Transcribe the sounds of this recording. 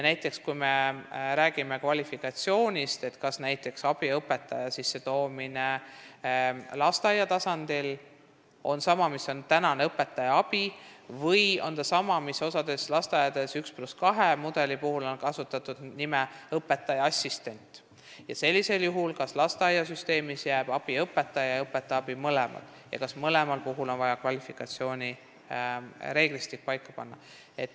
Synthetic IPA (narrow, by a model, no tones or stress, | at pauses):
jɑnæjt̪ːˑe̞kskujme̞ɾæːɡ̥ime̞kvɑlʲifikɑt̪sio̞ːnʲist̪e̞t̪kɑsnæjt̪ːˑe̞ksɑb̥iɤpːe̞t̪ːˑɑjɑsisːe̞t̪o̞ːmine̞ | lɑst̪ɑjɑt̪ɑsɑnd̪̥il | o̞nsɑmɑmiso̞nt̪ænɑneɤpːˑe̞t̪ːˑɑjɑɑb̥ivɤjo̞̰nt̪ɑsɑmɑmiso̞sɑd̪̥e̞slɑst̪ɑjɑd̪e̞sykspluskɑɦemud̪̥e̞lipuɦulo̞nkɑsut̪ːˑɑt̪ˑud̪̥nimeɤpːˑe̞t̪ːˑɑjɑɑsʲːist̪e̞nʲt̪ˑ | jɑse̞lʲːise̞ljuɦulkɑslɑst̪eɑjɑsyst̪e̞ːmisjæːb̥ɑb̥iɤpːe̞t̪ːˑɑjɑɤpˑːet̪ːˑɑɑb̥imɤlɛmɑ̰d̪̥ | jɑ̰kɑsmɤle̞mɑlpuɦulo̞nvɑjɑkvɑlʲifikːˑɑt̪sio̞ːnʲi | ɾe̞ːɡ̥list̪ik̚pɑjkˑːɑpɑ̰nːɑ | e̞t̪ːˑ